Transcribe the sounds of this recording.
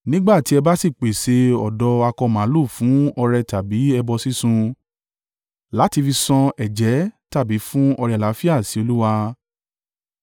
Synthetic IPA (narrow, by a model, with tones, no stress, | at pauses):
nĩ˦ɡ͡ba˦˨ti˨˦ɛ˧ba˦si˦˨k͡pe˨se˧ɔ̰˨dɔ˧a˧kɔ˧mã˨˦lu˦˨fũ˨˦ɔ˧ɾɛ˧ta˨bi˨˦ɛ˧bɔ˧si˦sũ˧ | la˨˦ti˧fi˧sɔ̃˧ɛ˨d͡ʒɛ˨˦ta˦˨bi˨˦fũ˦ɔ˧ɾɛ˧˨la˨˦fi˦a˦˨si˨˦o˧lu˦wa˧